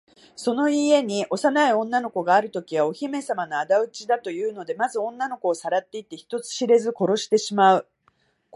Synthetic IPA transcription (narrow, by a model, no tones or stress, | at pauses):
so̞no̞ie̞ɲ̟iʔo̞sanaiõ̞nːano̞ko̞ɡaːɾɯ̟t̪o̞kʲiβ̞ao̞çime̞samanoad̪aɯ̟t͡ɕid̪at̪o̞jɯ̟ːno̞d̪e̞mazɨõ̞nːano̞ko̞ːsaɾat̪ːe̞it̪ːe̞çi̥t̪o̞t͡sɨ̥ɕiɾe̞zɨko̞ɾo̞ɕi̥t̪e̞ɕimaɯ̟